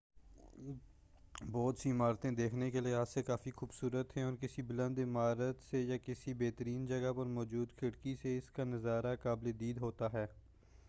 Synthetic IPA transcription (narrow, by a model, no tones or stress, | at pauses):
bɔːt̪siːmaːɾt̪ẽd̪eːkʰnekelɪaːsekaːfixuːbsuːɾət̪ɦɛ̃ɔːɾkɪsibɪlə̃nd̪ɪmaːɾət̪sejaːkɪsibeːt̪əɾiːnd͡ʒəɡapɐɾmɔːd͡ʒuːd̪kʰɪɽkiseɪskanəzaːɾakaːbled̪iːd̪ɦoːt̪aːɦɛː